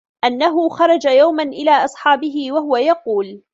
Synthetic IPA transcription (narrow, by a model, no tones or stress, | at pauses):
ʔanːaɦʊxɑɾˤɑd͡ʒajawmanʔɪlaːʔɑsˤħɑːbɪɦɪwaɦʊwajɑquːl